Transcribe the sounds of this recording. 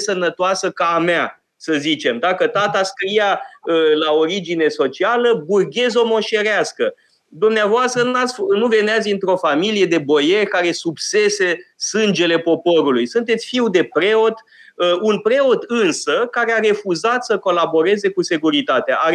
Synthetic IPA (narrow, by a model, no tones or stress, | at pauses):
sənət̪oasəkaːmea | səzit͡ʃe̞md̪akət̪at̪askɾijaəlao̞ɾid͡ʒine̞so̞t͡ʃialəburɡʲe̞zo̞mo̞ʃe̞ɾeaskə | d̪umneavoast̪ɾənuat̪sʲfnuve̞neat̪sʲiɨnt̪ɾo̞familije̞d̪e̞bo̞je̞rkaɾe̞supse̞se̞sɨnd͡ʒe̞le̞po̞po̞ɾulujsunt̪et̪sʲfiwd̪e̞pɾe̞o̞t̪ | unpɾe̞o̞t̪ɨnsəkaɾe̞aɾe̞fuzat̪səko̞labo̞ɾe̞ze̞kuse̞kuɾit̪at̪ea̰ʔa